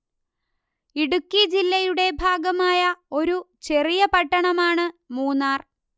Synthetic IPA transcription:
iɽukːid͡ʑilːɐjuɽe̞bʱaːɡɐmaːjɐo̞ɾut͡ɕe̞rijɐpɐʈːɐɳɐmaːɳɨmuːnːaːr

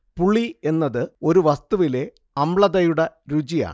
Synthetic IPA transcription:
puɭːie̞nːɐðɨo̞ɾuʋɐst̪uʋile̞ | ɐmɭɐðɐjuɽɐɾud͡ʑija̰ːɳ

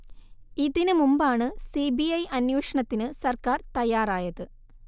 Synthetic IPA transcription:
iðinɨmumbaːɳɨsibiɐjʔɐnjuːʂɐɳɐt̪ːinɨsɐrkaːrt̪ɐjaːraːjɐðɨ

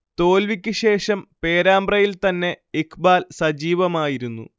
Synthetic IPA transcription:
t̪o̞ːlʋikʲːɨɕe̞ːʂɐmpe̞ːɾaːmbrɐjilt̪ɐnːe̞ikʰbaːlsɐd͡ʑiːʋɐmaːjiɾunːṵ

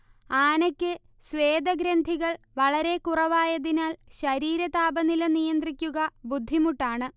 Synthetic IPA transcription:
aːnɐkʲːɨ | sʋe̞ːd̪ɐɡɾɐnd̪ʱiɣɐɭ | ʋɐɭɐɾe̞kurɐʋaːjɐðinaːlɕɐɾiːɾɐt̪aːbɐnilɐnijɐnd̪rikʲːuɣɐbud̪ʱːimuʈːaːɳɨ

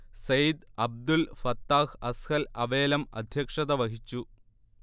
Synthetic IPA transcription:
sɐjd̪ɐb̚d̪ulfɐt̪ːaːhɐskɐlɐʋe̞ːlɐmɐ̰d̪ʱjɐkʂɐðɐʋɐɦit͡ɕːu

